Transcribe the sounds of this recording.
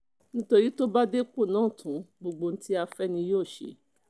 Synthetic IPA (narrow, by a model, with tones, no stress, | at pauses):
nĩ˦to˧ɾi˦to˦ba˦de˦k͡po˦˨nãː˨˦˨tʰũ˨˦ɡ͡bo˧ɡ͡bo˧n̩˦ti˦a˧fɛ˦nĩ˧joː˦˨ʃḛ˨˦